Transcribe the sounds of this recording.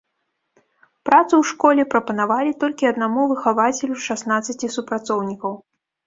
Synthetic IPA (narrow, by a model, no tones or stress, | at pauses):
pɾat̪sɨwʂkɔlʲɛpɾɐpɐnavalʲit̪ɔlʲkʲiɐd̪namuvɨxavat͡sʲɛlʲuʂasnat̪sɐt͡sʲisupɾat̪sɔwnʲikɐw